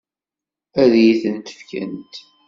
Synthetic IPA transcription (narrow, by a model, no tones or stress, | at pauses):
æðjiθənt̪ə̥fkæ̰nt̪